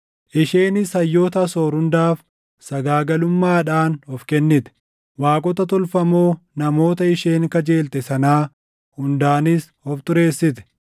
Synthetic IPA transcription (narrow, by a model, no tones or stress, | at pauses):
ʔɪʃeːnɪsɐjːoːt̪ɐsoːɾhʊnd̪aːf | sɐɡaːɡɐlʊmːaːᶑaːnhɔfkɛnːɪt̪ɛ̥ | waːkʼɔt̪ɐt̪ɔlfɐmoːnɐmo̞ːt̪ɐɪʃe̞ːŋkɐd͡ʒe̞ːlt̪ɛsɐnaː | hʊnd̪aːnɪshɔft̪ʊɾe̞ːsːɪt̪ɛ̥